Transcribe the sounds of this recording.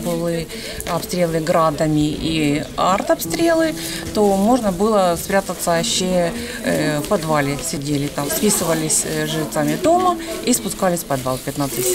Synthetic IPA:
bɨlˠɨ | ɐpst̪ɾʲe̞lˠɨɡɾad̪əmʲɪiart̪ɐpst̪ɾʲe̞lˠɨ | t̪omo̞ʐnəbɨlˠəspɾʲat̪ət̪səɕːe | fpɐd̪valʲɪsʲɪdʲelʲɪt̪amspʲisɨvəlʲɪsʲʐɨɪt̪samʲɪd̪o̞məispʊskalʲɪsʲpɐd̪valˠfpʲɪt̪nat̪sɨtʲ

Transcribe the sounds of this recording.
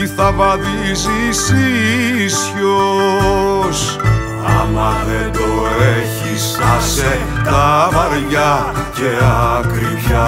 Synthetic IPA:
iθɐvɐðizisisço | s | ɐ̰lɐðed̪oeçis | ɐse | t̪ɐvɐɾʝɐ | ceɐkɾiçɐ

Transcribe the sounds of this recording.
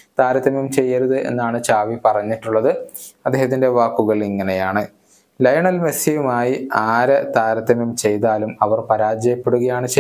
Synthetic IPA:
t̪aːɾɐt̪ːɐmjumt͡ɕe̞jːɐɾuðɨʔe̞̰nːaːɳɨt͡ɕaːʋipɐrɐɲːiʈːuɭːɐðɨɐd̪ːeːɦɐt̪ːinde̞ʋaːkːuɣɐɭiŋːɐnejaːɳɨ | lɐjɐɳɐlmesjɐjumaːjiaːɾɐt̪aːɾɐt̪ːɐmjumt͡ɕe̞jt̪aːlumɐʋɐrpɐɾaːd͡ʑɐjɐpːeɽuɣɐjaːɳɨt͡ɕe

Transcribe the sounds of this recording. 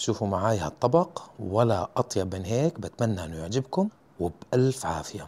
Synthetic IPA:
ʃuːfumaʕaːjhat̪ˤːɑbɑqwalaʔɑt̪ˤjɑbeːnɦeːkbat̪manːaʔɪnːʊjɪʕd͡ʒɪbkʊm | wɪbʔalfʕaːfɪja

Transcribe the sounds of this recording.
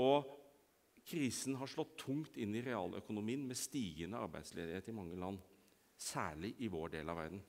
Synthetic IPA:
ɔ | kʰɾiːsn̩ɦɑʂlɔt̪ʰːʊŋt̪ɪnːɪɾɛɑ̰ːlœ̰kʊnʊmiːənmɛst̪iːɡənəɑ̰ɾbæ̰ɪd̪slḛːd̪ɪheːt̪ɪmɑŋːəlɑnː | sæːɭɪʔɪʋoːɖeːlɑʋæ̰ɾd̪n̩

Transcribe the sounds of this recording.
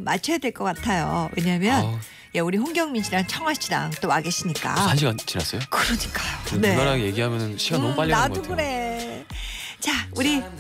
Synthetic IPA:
ma̰ɭt͡ɕʰʌjadwe̞ɭk͈ʌk͈atʰajo̰we̞̰ɲamjʌn | je̞uɾiɸoŋɡjʌŋminɕiɾant͡ɕʰʌŋwaɕʰida̰ŋt͈owaɡeɕ͈ʰiɲik͈a̰aɕ̬ʰiɡat͡ɕinas͈ʌjokɯɾʌɲik͈ajoenenaɾaɡje̞ɡiɦamjʌnɯnɕʰiɡanmupaʎinatʰoɡɯɾe̞ | t͡ɕauɾi

